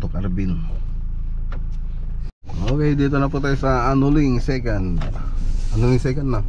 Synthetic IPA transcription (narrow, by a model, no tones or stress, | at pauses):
t̪ukarbin | okaidɛt̪̬onaput̪aisaːnuliŋsekan | anuliŋsɛkanːa